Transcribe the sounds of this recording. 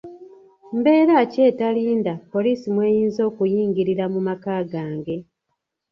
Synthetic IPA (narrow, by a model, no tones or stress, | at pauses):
mbe̞ːɾaːce̞ːtaliːndapo̞liːsimwe̞ːjiːnzo̞ːkujiːŋɡiɾiɾamumakaːɡaːŋɡe̞